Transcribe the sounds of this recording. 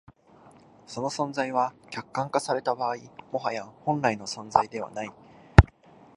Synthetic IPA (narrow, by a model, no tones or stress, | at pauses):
so̞no̞sõ̞nzaiβakʲakːãŋkasaɾe̞t̪abaːimo̞ɦajãhõ̞nɾaino̞sõ̞nd͡zaid̪e̞βa̰nai